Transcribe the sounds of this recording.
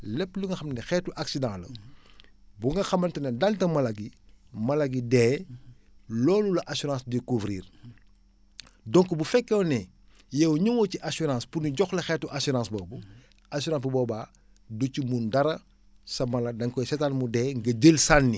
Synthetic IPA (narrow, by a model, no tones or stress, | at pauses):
lɛpːluŋɡɐxɐmnɛxɛːtuʔaksidãlɐ̰ | buŋɡɐxɐmɐntɐnɛdɐltɐmɐlɐɡimɐlɐɡidɛː | lɔːlulɐʔasuɾãːsdikuvɾḭːr | dɔŋkubufɛkːɛwnɛ | jɛwɲuŋɔciʔasuɾãːspuniɟɔxlɐxɛːtuʔasuɾãːsbɔːbu | asuɾãːsbubɔːbaː | ducimundɐɾɐ | sɐmɐlɐdɐŋkɔjsɛtanmudɛːŋɡɐɟəlsanːi